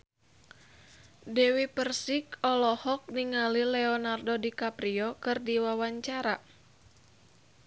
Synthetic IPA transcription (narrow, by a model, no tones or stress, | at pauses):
dɛwipərsikɔlɔhɔk̚niŋalilɛɔnardodikapɾiɔkɨrdiwawaɲt͡ʃaɾa